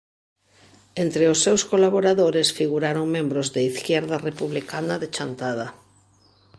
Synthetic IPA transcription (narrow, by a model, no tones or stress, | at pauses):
ent̪ɾeosːewskolaβ̞oɾaðoɾesfiɣuɾaɾoŋmẽmbɾozðeiθkjɛɾðarepuβlikanaðet͡ʃant̪að̞a